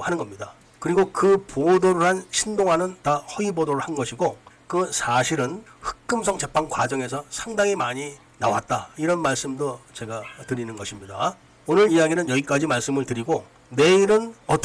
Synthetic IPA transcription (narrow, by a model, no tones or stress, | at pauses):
hanɯnɡʌmɲida | kɯɾiɡokɯpodoɾɯɭɦanɕʰindoŋɦanɯntahʌibodoɾɯɭhanɡʌɕʰiɡokɯsʰaɕʰiɾɯnɸɯ̥k̚k͈ɯmsʰʌŋt͡ɕe̞pʰːaŋkwa̰d͡ʑʌŋe̞sʰʌsʰaŋdaŋimaɲi | nawa̰t̚t͈aiɾʌnmaɭs͈ɯmdot͡ɕe̞ɡatɯɾinɯnɡʌɕʰimɲida | onɯɾijaɡinɯnjʌɡik͈ad͡ʑimaɭs͈ɯmɯɭtɯɾiɡo | ne̞iɾɯnʌt͈